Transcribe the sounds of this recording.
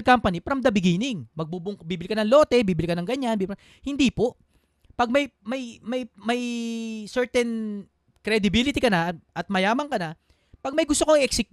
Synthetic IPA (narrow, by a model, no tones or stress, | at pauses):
lkampɐnipɾɐmd̪ɐbɪɡiːnɪŋmɐɡ̚bubʊŋbiːbɪlikɐnɐŋlo̞ːt̪ɛbiːbɪlikɐnɐŋɡɐɲːanbib | hɪnd̪ipo̞ʔ | pɐɡ̚mɐjmɐjmɐjmɐjsɛɹt̪ɛn | kɾɛd̪ɪbilɪt̪ikɐnɐʔɐt̪̚mɐjaːmɐŋkɐnɐ | pɐɡ̚mɐjɡʊst̪okoŋɪʔɛksɪk